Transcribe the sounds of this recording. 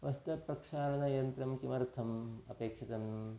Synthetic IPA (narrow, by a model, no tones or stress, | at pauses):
ʋɐst̪ɐpɾɐkʂaːnɐnɐjɐnt̪ɾɐmkimɐɾt̪ʰɐmɐ̰peːkʂɐt̪ɐm